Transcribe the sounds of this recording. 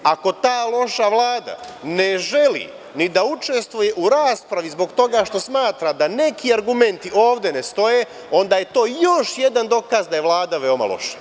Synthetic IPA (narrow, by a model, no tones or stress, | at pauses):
ako̞t̪aːlˠo̞ʃaʋlˠaːd̪a̰neʒe̞lḭ | nid̪aut͡ʃe̞st̪ʋuje̞ʔuɾaːspɾaʋizbo̞ɡt̪o̞ɡaʃt̪o̞smaːt̪ɾad̪ane̞kiaɾɡume̞nt̪iʔo̞ːʋd̪e̞nest̪o̞je̞ | o̞nd̪aːje̞t̪o̞ːjo̞ʃje̞d̪and̪o̞kazd̪aje̞ʋlˠaːd̪aʋe̞oma̰lˠo̞̰ʃḁ